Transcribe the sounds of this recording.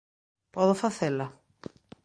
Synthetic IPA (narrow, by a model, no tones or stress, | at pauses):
pɔðʊfaθelɐ